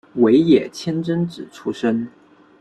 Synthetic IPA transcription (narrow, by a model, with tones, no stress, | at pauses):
we˧˥ɪjɛ˨˩t͡ɕʰjɛ˥nʈ͡ʂə˥nʈ͡ʂɻ̩˨˩ʈ͡ʂʰu˥ʂə˥n